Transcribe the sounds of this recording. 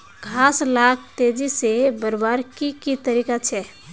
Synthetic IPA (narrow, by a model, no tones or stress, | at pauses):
ɡʱaslak̚t̪ed͡ʒisebəɾbaɾkikit̪əɾikat͡ʃʰɛ